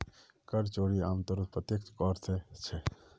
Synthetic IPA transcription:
kɐɾt͡ʃoːɽiaːmt̪ɔɾut̪pɾət̪jek̚kɔːɾt̪ʰet͡ʃʰɛ

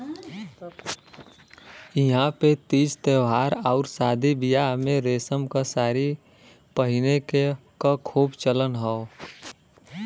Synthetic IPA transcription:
ɪɦãpet̪iːd͡ʒt̪eʋɦaːɾɔːʊɾsaːd̪ʱibijamẽɾeːsəmkasaːɾi | pəɦɪnekekakʰuːbt͡ʃələnɦɛo

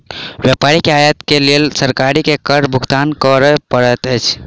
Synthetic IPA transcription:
bjəpaɾikeajət̪kelelsəɾkaɾikekəɾɖbʱuɡt̪ankəɾəpəɽət̪əjt͡ʃʰ

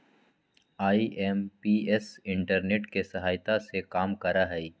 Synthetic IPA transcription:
aːiʔɛːmpiːɛsɪ̃ɳʈəɾneːʈkesɐɦaːjt̪asekaːmkɐɾaɦɛi

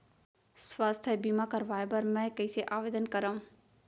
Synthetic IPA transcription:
swaːst̪ʰəbimakɐɾʋaːepɐɾmɛ̃ːkɐiseʔaːʋeːd̪ənkɐɾaːũ

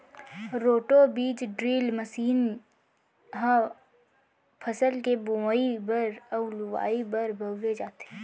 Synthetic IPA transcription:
ɾoːʈobiːt͡ʃɖɾiːlməsiːn | ɦə̃ | pʰəsəlkeboaibəɾəlʊwa̰ːibəɾbʱəɡʋed͡ʒaːt̪ː

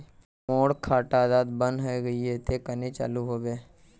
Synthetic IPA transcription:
moːɽkʰaːʈaːd̪aːd̪bə̃nɦɐeɡɐiɛt̪ʰekənet͡ʃa̰ːluɦoːɡɐe

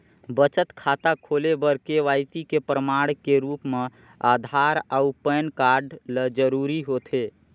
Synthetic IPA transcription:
bət͡ʃət̪kʰaːt̪akʰoːlebəɾkeʋaːjt̪ikepɾəmaːɽkeɾuːpmẽ | aːd̪ʱaːɾəupəjnkaːɾɖləd͡ʒəɾuːɾiɦoːt̪ʰeː

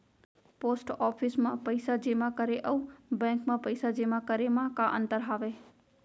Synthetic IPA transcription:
poːsʈɔːpʰismãpəɪsad͡ʒeːmãkəɾeʔəubɛ̃ːŋkmãpəɪsad͡ʒeːmãkəɾemãkãʔə̰̃nt̪əɾɦaːʋe

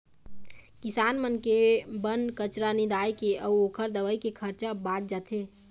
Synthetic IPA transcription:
kisaːnmənkebənkət͡ʃɾanid̪ajkeəuokʰəɾd̪əʋəjkekʰəɾt͡ʃabad͡ʒ̚d͡ʒat̪ʰe

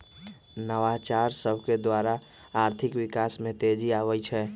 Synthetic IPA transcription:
nəʋat͡ʃaɾsəbʱked̪waɾa | aɾt̪ʰikʋikasmẽt̪ed͡ʒiaʋɛjt͡ʃʰɛ

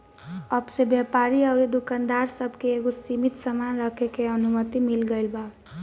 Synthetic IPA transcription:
əbsebjapaɾiəʊɾid̪ukand̪aɾsəbʱkeːɡosimit̪səmanɾəkʰekeənumət̪imilɡəɪlba

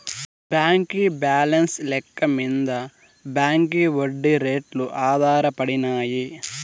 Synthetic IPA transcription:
bjaːŋkibaːlɐnslɛkːɐmind̪ɐ | baːŋkiʋoɖːiɾeːʈluʔaːd̪ʱaːɾɐpɐɽinaːji

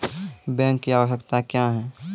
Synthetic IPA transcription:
bɛ̃ːŋkːiaːʋəʃəkt̪akjaːɦɛ

